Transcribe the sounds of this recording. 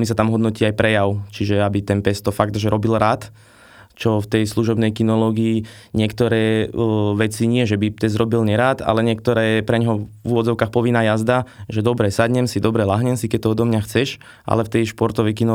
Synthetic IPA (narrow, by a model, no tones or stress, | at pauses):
mis̬at̪amɦɔd̪nɔciːajpɾɛjaʊt͡ʃiʒɛabit̪ɛnpɛst̪ɔfaɡt̪ʒɛɾɔbilɾaːt̪ | t͡ʃɔft̪ɛjsluʒɔbnɛjkinɔlɔːɡiː | ɲɪɛkt̪ɔɾɛːʋɛt͡siɲɪɛʒɛbit̪ɛzɾɔbilɲɛɾaːt̪a̰lɛɲɪɛk̚t̪ɔɾɛːpɾɛɲɦɔuʋɔd͡zɔʊkaːxpɔʋinajazd̪aʒɛd̪ɔbɾɛsadɲɛmsid̪ɔbɾɛlaɦɲɛmsikɛc̚t̪ɔɔd̪ɔmɲaxt͡sɛʃ | ʔa̰lɛft̪ɛjʃpɔɾt̪ɔʋɛjkinɔ